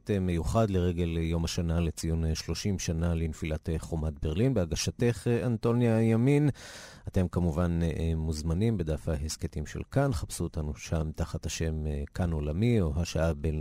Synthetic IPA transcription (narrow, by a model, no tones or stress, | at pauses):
teme̞juχad̪leʁeɡe̞ljo̞maʃanale̞t͡sijunʃlo̞ʃimʃanalinfilatχomat̚be̞ʁlinbeaɡaʃate̞χeanto̞njajamin | ate̞mkamuvanmuzmanimbed̪afhahesketimʃḛlkanχapsuotanuʃamt̪aχathaʃe̞mkano̞lamio̞ɦaʃaaben